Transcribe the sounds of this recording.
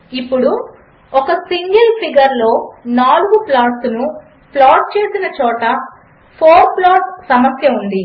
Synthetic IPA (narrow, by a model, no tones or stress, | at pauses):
ipːuɽu | ɔkɐsiŋɡɐlpʰiɡɐɾlo̞ːnaːluɡuplaːʈsnu | plaːʈ̚t͡ʃe̞ːsinɐt͡ʃɔːʈɐ | pʰoːɾplaːʈssɐmɐsjɐund̪i